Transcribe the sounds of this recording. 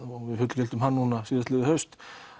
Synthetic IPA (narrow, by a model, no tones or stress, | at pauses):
ɔɣvɪðfʏt̪l̥cɛlt̪ʏmɦanːuːnasiːðɪst̪lɪðɪhœɥst̪